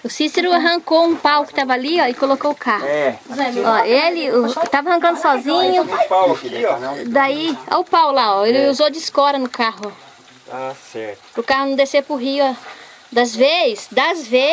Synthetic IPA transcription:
ʊsiseɾʊaɦɐ̃ŋkoũpawkɪ̥t̪avɐaliɔɪkolokoʊkahʊɛɔelɪt̪avɐhɐ̃kɐ̃nd̪ʊsɔzĩɲʊpakiɔd̪aia̰ʊpawlaɔelɪuzod͡ʒɪskɔɾɐnʊkaɦʊ | asɛɾ | ɾʊkahʊnɐ̃d̪esepʊɦiʊɔ | d̪ɐzvezɪsd̪ɐzve

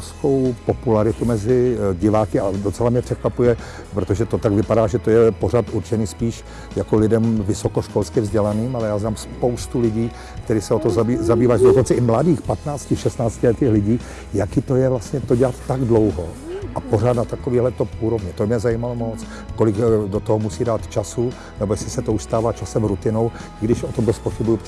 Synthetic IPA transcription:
sko̞wpo̞pulaɾɪt̪umɛzɪɟɪvaːkɪado̞t͡sɛlamɲɛpr̥ɛkvapujɛ | pɾot̪oʒɛt̪o̞t̪aɡvɪpadaːʒɛt̪ojɛpo̞r̝at̪uɾt͡ʃɛniːspiːʃ | jakolɪdɛmvɪso̞koʃko̞lskɪvzɟɛlaniːmalɛjaːznaːmspo̞wst̪ulɪɟiː | kt̪ɛɾiːxsɛot̪ozaizabiːvaːʒɛdokont͡sɛɪmladiːxpat̪naːt͡scɪʃɛst̪naːt͡scɪlɛt̪iːxlɪɟiː | jakɪt̪ojɛvlast̪ɲɛt̪oɟɛlat̪ːaɡdlo̞wɦo | ʔapo̞raːt̪nat̪akoviːɦlɛt̪ouːɾo̞vɲɛt̪obmɲɛzajiːmalomo̞t͡s | kolɪɡdot̪oɦomusiːdaːt̪t͡ʃasu | nɛbojɛsɪsɛt̪ouʃst̪aːvaːt͡ʃasɛmɾut̪ɪnow | ɪɡdɪʃot̪omd̪ospoxɪbuju

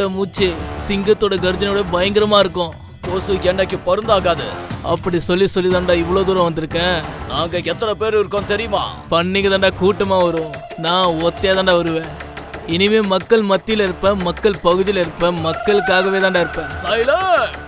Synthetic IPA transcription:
ɐmuːt͡ʃːɯsɪŋɡɐt̪ːoːɽɐɡɐɾɯd͡ʒɐnoːɽɐbɐjɐŋɡɪɾɐmaːɪɾɯkːʊ̃ː | koːsɯɛnːɐkːɯpɔɾɯnd̪aːɣaːðɯ̰ɐ̰pːɐɽisɔlːisɔlːit̪aːnɖaːɪʋːɐɭoːd̪uːɾɐ̃ʋɐnd̪ɯɾɯkːẽːnaːŋɡɐɛt̪ːɐnɐpeːɾɯɪɾɯkːoːnt̪ɛɾɪjɯma̰ːpɐɳːɪŋɡɐðaːɳɖaːkuːʈːɐmaːʋɐɾʊ̃ | nãːɔt̪ːeːt̪aːɳɖaːʋɐɾɯʋẽː | ɪnɪmeːmɐkːɐɭmɐt̪ːɪjlɐɪɾɯpːɐ̃mɐkːɐɭpɐɣɯðɪjlɪɾɯpːɐ̃mɐkːɐɭɯkːaːɣɐʋeːt̪ãːɳɖaːɪɾɯpːẽːsɐjlɐ

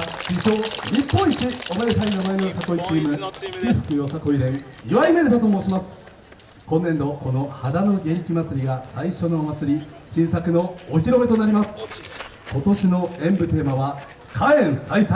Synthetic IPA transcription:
d͡ʑiɕo̞ɲʲipːõ̞ɰ̃it͡ɕiomaɾet̪ainomainoosako̞it͡ɕiːmɯ̟̥t͡ɕiɸɯ̟̥kɯjosako̞iɾẽ̞ŋiβaimeɾɯd̪at̪o̞mo̞ːɕimasɨ̥ | kõ̞nːẽ̞nd̪o̞ko̞no̞had̪ano̞ɡʲe̞ɾʲikʲimat͡sɨɾʲiɡasaiɕo̞noːmat͡sɨɾʲi | ɕĩɰ̃sakɯ̟no̞ːçiɾo̞be̞t̪onaɾʲimasɨ̥ | ko̞t̪o̞ɕino̞ẽ̞mbɯ̟t̪e̞ːmaβa | kʰaẽ̞ɰ̃saisa

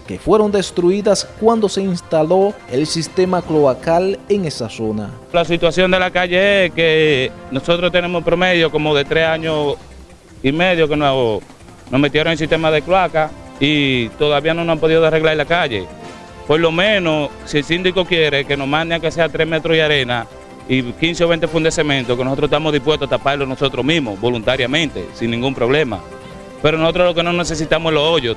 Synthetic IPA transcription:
ke̞fwe̞ɾo̞nd̪e̞st̪ɾuiðaskwand̪o̞se̞inst̪alo̞elsist̪e̞makloakaleŋe̞saso̞na̰ | lasit̪wasjo̞nd̪e̞lakaʝe̞eskenoso̞t̪ɾost̪enẽmospɾo̞meðjoko̞moðe̞t̪ɾesaɲo | ime̞ðjokeno | nosmet̪jeɾoŋes̬ist̪e̞maðekloaka | it̪oðaβianonosampoðiðoeareɣlaɾelakaʝe̞̰ | po̞lo̞mẽnosielsind̪iko̞kjeɾekenosmãnd̪eakeseat̪ɾemet̪ɾoiaɾe̞na | ikinseoβent̪efund̪esemẽnt̪ohkenosot̪ɾoet̪amoðihpwest̪oat̪apaɾlonoso̞t̪ɾomiɦmoβo̞lunt̪aɾjamẽnt̪e̞̰sinːĩŋɡumpɾo̞βlema̰ | peɾonosot̪ɾohlo̞kenoneses̬it̪amoelosoʝo

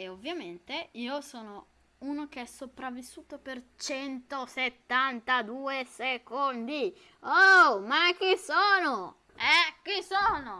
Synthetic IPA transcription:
eovːjament̪eiːosoːno | unok̟eɛsːopɾavːisːuːt̪opert͡ʃɛnt̪oset̪ːant̪ad̪uːesekond̪i | omak̟ːisoːno | ɛkːisoːno

